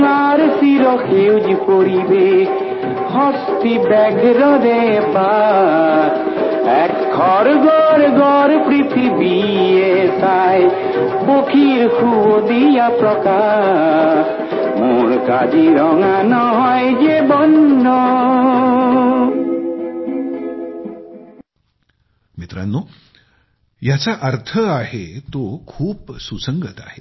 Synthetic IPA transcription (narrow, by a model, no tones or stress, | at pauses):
ŋaɾsiɾɔkʰewd͡ʒikoɾibe | hɔst̪ibɛɡʱɾɔd̪eba | ɛkʰːɔɾɡɔɾɡɔɾpɾit̪ʰibi | esaj | bokʰiɾkuod̪ijapɾɔka | muɾkad͡ʒiɾɔŋanɔɦɔjd͡ʒebɔnːɔ | mit̪ɾa̰nːo | jat͡saʔəɾt̪ʰəaɦet̪okʰuːpsusəŋɡət̪a̰he